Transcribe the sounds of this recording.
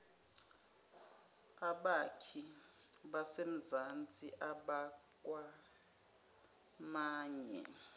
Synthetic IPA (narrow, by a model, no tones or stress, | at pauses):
aɓakʰiɓasem̩zant͡sʼiʔaɓakʼwa | maːɲɛ̰